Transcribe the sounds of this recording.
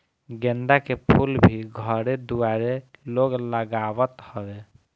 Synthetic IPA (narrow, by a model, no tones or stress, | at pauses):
ɡenɖ̪akepʰulbʱiɡʱəɾed̪uaɾeloɡləɡawət̪hɔbɛ